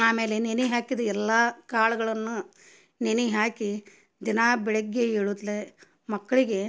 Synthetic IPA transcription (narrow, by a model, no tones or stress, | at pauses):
aːme̞ːleneniɦaːkid̪ɐɛlːaːkaːɭɐɡɐɭɐnːu | neniɦaːki | d̪inaːbɛɭeɡːeeːɭud̪le | mɐkːɐɭiɡe̞